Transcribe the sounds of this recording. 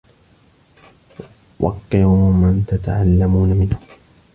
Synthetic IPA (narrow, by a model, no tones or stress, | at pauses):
wʔɑ̰qːɪʊmant̪at̪aʕalːamuːnamɪnhʊm